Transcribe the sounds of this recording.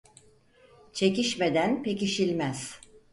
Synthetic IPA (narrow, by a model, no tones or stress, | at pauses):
t͡ʃʰe̞ciʃme̞d̪ænpeciʃilʲmæz̥